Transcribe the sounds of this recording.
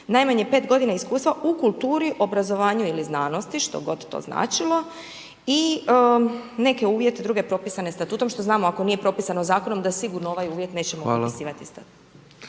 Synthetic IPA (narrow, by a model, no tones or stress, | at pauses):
najmaɲepe̞ːt̪ɡo̞d̪inaiskuːst̪ʋaʔukulˠt̪uːɾiʔo̞bɾazo̞ʋaːɲuiliznaːno̞st̪iʃt̪o̞̰ɡo̞d̪t̪ːo̰zna̰ːt͡ʃilˠo̞ | i | ne̞ke̞uːʋje̞t̪ed̪ɾuɡe̞pɾo̞pisane̞st̪at̪uːt̪omʃt̪o̞znaːmoako̞niːje̞pɾo̞pisanozaːkono̞md̪asiɡuɾnooʋajuːʋjet̪ne̞ːt͡ɕemopoiisiːʋat̪ist̪at̪ut̪